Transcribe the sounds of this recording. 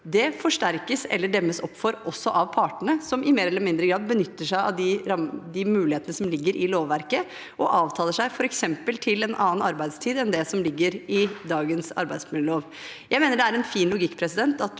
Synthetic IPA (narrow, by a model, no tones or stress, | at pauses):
d̪ɛfɔʂʈæɾkəsɛ̰lːəɖɛmːəsɔpːfɔɾʔɔsːɔʔɑʋpʰɑːʈəɳəsɔmʔɪmeːɾɛlːəmɪnd̪ɾəɡɾɑːd̪̚bənʏt̪ːəʂæɪɑ̰ʋd̪ɪɾɑmd̪ɪmʉːlɪheːt̪ənəsɔmlɪɡːəɾʔɪloːʋːæɾkə | ʔɔʔɑːʋt̪ʰɑːlˠəʂæɪfɔɾɛksɛmpəlt̪ʰɪlɛnʔɑ̰ːnənɑɾbæɪd̪st̪ʰiːd̪ɛnd̪ɛsɔmlɪɡːəɾɪd̪ɑːɡənsɑ̰ɾbæɪd̪smɪləloːʋ | jæɪmeːnəɖɛæɾɛnfiːnlʊɡɪkːpʰɾɛsɪd̪ɛnt̪ɑt̪